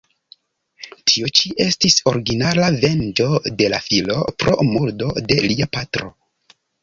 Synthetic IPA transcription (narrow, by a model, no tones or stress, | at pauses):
tʰiot͡ʃiʔe̞stiso̞ɾiɡinalave̞nd͡ʒo̞de̞lafilo̞̰pɾo̞̰muldo̞de̞liapatɾo̞